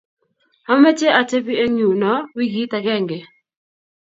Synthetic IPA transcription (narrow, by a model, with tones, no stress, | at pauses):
a˦ma˦t͡ʃe˦ʔa˨te˦pi˦e˦ɲu˨nɔ˨˦wi˦ɡi˨˦ta˨kɛ˦˨ŋɡe˨